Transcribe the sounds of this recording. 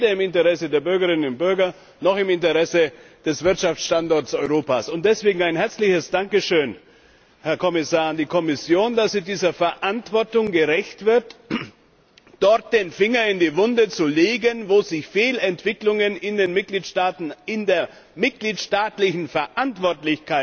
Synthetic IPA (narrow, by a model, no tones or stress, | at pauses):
eːdɐɪmɪntəʁɛsədeːɐbʏɐɡəʁɪnənʊnt̚b̥ʏɐɡɐ | nɔχɪmɪntəʁɛsəd̥ɛsv̥ɪɐtʃaft͡sʃtantɔɐtsɔʏʁoːpaːsʊntd̥ɛsv̥eːɡŋ̩aɪnɦɛɐt͡slɪçəsd̥aŋkəʃøːn | hɛɐkʰɔmɪsaːɐandiːkʰɔmɪsjoːndasmɪt̚d̥iːzɐfɛɐʔantv̥ɔɐtʊŋɡəʁɛçtv̥ɪɐt | d̥ɔɐt̚d̥eːnfɪŋɐɪndiːvʊndət͡suleːɡənvoːzɪçfeːlɛntv̥ɪklʊŋənɪndeːnmɪt̚ɡ̥liːtʃtaːtn̩ɪndeːɐ | mɪt̚ɡ̥liːtʃtaːtlɪçn̩fɛɐʔantv̥ɔɐtlɪçkʰaɪt